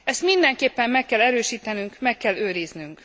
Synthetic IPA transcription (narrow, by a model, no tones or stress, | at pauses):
ɛst̪mind̪ɛŋkeːpːɛmmɛkːɛlɛɾøːʃiːt̪ɛnyŋkmɛkːɛlːøːɾiznyŋk